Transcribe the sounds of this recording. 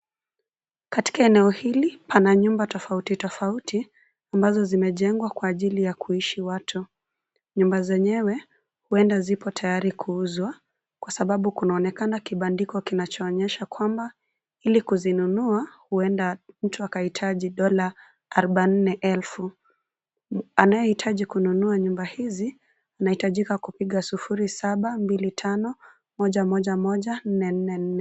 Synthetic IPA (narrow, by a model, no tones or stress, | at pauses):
kati̥kaɛnɛɔhilipʰanaɲumbatɔfautitɔfauti | ambazɔzimɛʄɛŋɡwakwaːʄilijakuiʃiwatʰu | ɲumbazɛɲɛwɛ | huɛndazipɔtʰajaɾikʰuuzwa | kwasaɓaɓukunaɔnɛkanakiɓandikɔkinat͡ʃɔːɲɛʃakwamba | ilikuzinunuahuɛndam̩tuakahitʰaʄiɗɔla | aɾɔɓan̩nɛʔɛlfu | anajɛhitʰaʄikununuaɲumbahizi | anahitaʄikakupiɠasufuɾisaɓambilitʰanɔ | mɔʄamɔʄamɔʄan̩nɛn̩nɛn̩nɛ